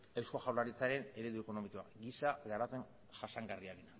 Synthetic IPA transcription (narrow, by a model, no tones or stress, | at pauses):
ewsko̞ʝawlaɾit͡saɾe̞ne̞ɾe̞ðue̞ko̞no̞miko̞a̰ɡisaɣaɾape̞n | ʝaʃaŋɡariaɾina